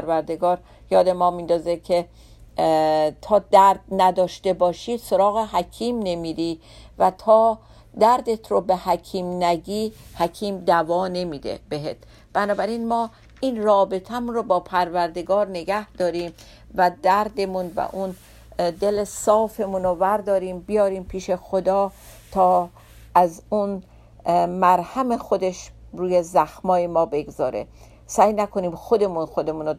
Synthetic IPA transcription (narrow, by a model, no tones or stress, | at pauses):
ɾvæɾd̪e̞ɡɒːɾ | jɒːd̪e̞mɒːmiːnd̪ɒːzekʰe̞ | t̪ʰɒːd̪æɾd̪̚næd̪ɒːʃt̪e̞bɒːʃiːd̪̥soɾɒːɣeɦæcʰiːmne̞miːd̪i | væt̪ʰɒː | d̪æɾd̪e̞t̪ʰɾobehækʰiːmnæɡiːhæcʰiːmd̪ævɒːne̞miːd̪ḛbeɦet̪ʰ | b̥ænɒːbæɾinmɒː | inrɒːbe̞t̪ʰæmunɾobɒːpʰæɾvæɾd̪e̞ɡɒːɾne̞ɡæhd̪̥ɒːɾiːm | væd̪æɾd̪e̞munvæ̰ʔun | d̪e̞lesɒːfe̞munovæɾd̪ɒːɾiːmbijɒːɾiːmpʰiːʃe̞xod̪ɒː | t̪ʰɒː | ʔæzun | mæɾhæme̞xo̞d̪e̞ʃɾuːjezæxmɒːje̞mɒːbe̞ɡzɒ̰ːɾe̞̰ | sæːjnækʰo̞niːmxod̪e̞munxo̞d̪e̞muːno